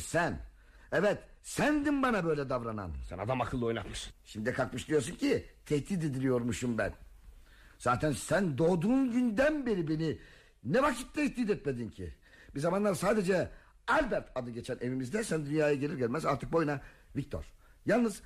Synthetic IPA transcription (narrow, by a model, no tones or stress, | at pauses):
sæn | ɛvɛt̪ | sænd̪inbanabø̞jlʲɛd̪avɾana̰nsɛ̰na̰d̪amakʰɯlˠːɯo̞jna̰t̪mɯʃnʃimd̪ikʰakmɯʃd̪ijoɾsuncʰit̪ʰɛhd̪iːd̪ed̪ʲilʲijo̞ɾmuʃumbæ̰n | z̥aːt̪ʰænsænd̪o̞ːd̪unɟynd̪ænbeɾibeni | nɛvakʰi̥t̪̚ːɛɛsd̪iːd̪ɛt̪̚med̪incʰḭ | b̥izamanlˠaɾsaːd̪e̞d͡ʒɛ | alʲbæɾt̪ʰad̪ɯɟe̞t͡ʃʰænʔe̞vimizd̪ɛsænd̪ynjaːjaɟelʲiɾɟælʲmɛzaɾt̪ʰɯk̚bo̞jna | vic̚t̪ʰo̞̰ɾ̥ | jalˠnɯz